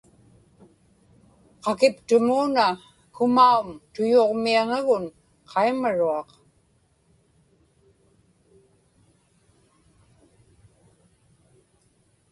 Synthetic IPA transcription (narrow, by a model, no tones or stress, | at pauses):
qɑkɪpt̪ʊmuːna | kʊmaumt̪ʊjoːʁmiaŋaɣʊn | qʰɑjmaɻuɑq